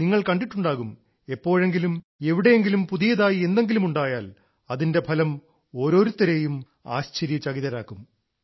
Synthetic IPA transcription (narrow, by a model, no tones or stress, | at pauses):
niŋːɐɭkɐɳɖiʈːuɳɖaːɣum | epːo̞ːɻe̞ŋɡilum | e̞ʋiɽe̞jeŋɡilumpuðijɐðaːjie̞nd̪e̞ŋɡilumuɳɖaːjaːl | ɐðinde̞pʰɐlɐm | o̞ːɾo̞ːɾut̪ːɐɾe̞ːjum | a̰ːɕt͡ɕeɾjɐt͡ɕɐɣiðɐɾaːkːum